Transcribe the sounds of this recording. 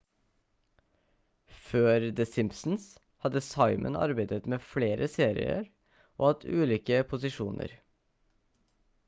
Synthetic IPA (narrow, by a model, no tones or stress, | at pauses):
føːɾd̪ɛsɪmpsn̩s | hɑd̪əsɑɪmʔə̰nɑ̰ɾbæɪd̪ət̪meːfleːɾəseːɾɪ̰ə̰ɾ | ʔo̰ːhɑt̪ʉːliːkəpʰʊsɪʃuːnə̰ɾ